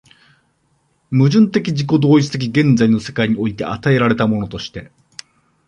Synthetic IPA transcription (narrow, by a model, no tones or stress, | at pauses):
mɯ̟ʑɨ̃nt̪e̞kʲid͡ʑiko̞d̪oːit͡sɨ̥t̪e̞k̬ʲiɡẽ̞nd͡zaino̞se̞̥kaiɲ̟io̞it̪e̞a̰t̪ae̞ɾaɾe̞t̪amo̞no̞t̪o̞ɕi̥t̪e̞